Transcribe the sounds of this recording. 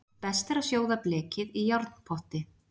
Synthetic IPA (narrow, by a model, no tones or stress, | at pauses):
pɛst̪ɛɾasjoːwðaplɛːcɪðijawɾt̪n̥pʰɔht̪ɪ